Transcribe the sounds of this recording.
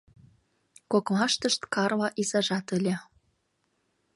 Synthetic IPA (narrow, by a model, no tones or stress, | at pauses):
kokmɑʃt̪ə̆ʃt̪kɑrlɑʔizɑʒɑt̪ə̆lʲĕ